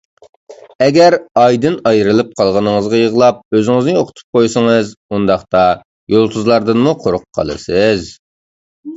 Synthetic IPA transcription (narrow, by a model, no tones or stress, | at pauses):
ɛɡʲɛɾɑjd̪ɨnɑjɾɨlˠɨp̚qʰɑlˠʁɑnɨŋəzʁɑjəʁlˠɑp̚øzɪŋɪznɨoqʰə̥t̪ʰu̥p̚qʰojsəŋɨzund̪ɑχt̪ɑ | jolˠt̪ʰuzlˠɑɾd̪ɨnmuqʰoɾʊqʰːɑ̰lˠɨ̰sɨz